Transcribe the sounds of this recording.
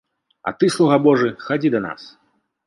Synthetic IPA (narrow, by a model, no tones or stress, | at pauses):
ɐ̰t̪ɨslˠuɣabɔʐɨxad͡zʲid̪ɐna̰s